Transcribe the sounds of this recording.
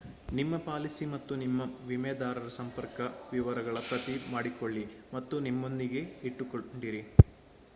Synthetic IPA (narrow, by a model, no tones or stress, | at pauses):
nimːɐpaːlisimɐt̪ːunimːɐʋimɛːd̪aːɾɐɾɐsɐmpɐɾkɐʋiʋɐɾɐɡɐɭɐpɾɐt̪imaːɽikoɭːimɐt̪ːunimːo̞nd̪iɡe̞iʈːukoɳɖiɾi